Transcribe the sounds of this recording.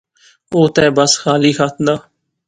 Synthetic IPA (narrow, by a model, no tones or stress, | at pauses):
oːt̪ɛ̃ːbəsxaːliːxaːt̪nd̪aː